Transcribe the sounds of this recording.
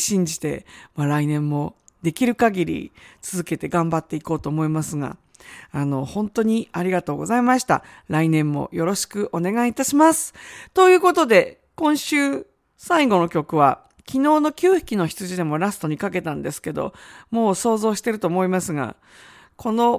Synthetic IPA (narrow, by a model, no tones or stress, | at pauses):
ɕĩɲ̟d͡ʑi̥t̪e̞̰maɾainẽ̞mːo̞d̪e̞kʲiɾɯ̟kaɡʲiɾʲḭt͡sɨzɨke̞t̪e̞ɡãmbat̪ːe̞iko̞ːt̪o̞ːmo̞imasɨɡa̰ | ano̞hõ̞nt̪o̞ɲ̟iaɾʲiɡat̪o̞ːɡo̞zaimaɕi̥t̪a̰ɾainẽ̞mːo̞̰jo̞ɾo̞ɕi̥kɯ̟ʔo̞ne̞ɡait̪aɕimasɨ̥t̪o̞jɯ̟ːko̞t̪o̞d̪e̞ | kõ̞ɰ̃ɕɨː | saiɡo̞no̞kʲo̞kɯ̟βa | kʲino̞ːno̞kʲɨːçi̥kʲino̞çi̥t͡sɨʑid̪e̞mo̞ɾasɨ̥t̪o̞ɲ̟ikake̞t̪ãnd̪e̞sɨ̥ke̞d̪o̞̰mo̞ːso̞ːzo̞ːɕi̥t̪e̞ɾɯt̪o̞ːmo̞imasɨɡa̰ | kʰo̞no̞